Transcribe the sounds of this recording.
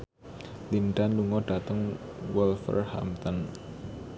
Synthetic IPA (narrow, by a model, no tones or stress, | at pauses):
linɖanluŋɔɖ̥a̤t̪əŋwɔlfə̰rha̰mt̪ɔn